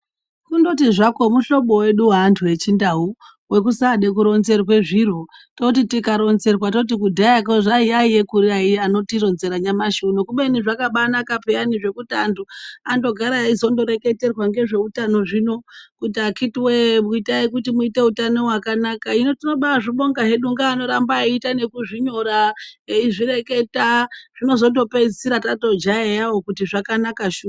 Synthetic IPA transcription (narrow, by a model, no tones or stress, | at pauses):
kundo̞tiʐako̞muʃo̞ɓo̞we̞ɗuwaːntʰuje̞t͡ʃindau | we̞k̬usaɗe̞k̬uɾo̞nze̞rwe̞ʐirototitikaɾo̞nze̞rwatot̬ikudʱajak̬oʐaiaije̞kuɾiaiano̞tiro̞nze̞ɾaɲamaʃunokuɓeniʐakaɓanakapeaniʐe̞kutiantʰuando̞ɡʱaɾaizo̞ndo̞ɾe̞ke̞te̞rwaŋɡe̞ʐe̞utano̞ʐino̞kutiakʰitiwemuitaik̬utimuite̞utano̞wakanakaino̞tino̞ɓaʐiɓo̞ŋɡaɦe̞ɗuŋɡaːno̞ɾambaitane̞kuʐiɲo̞ɾaiʐiɾe̞ke̞taʐ̥ino̞zo̞ndo̞pe̞d͡zisiɾatato̞d͡ʒaejawokutiʐakanakaʃuː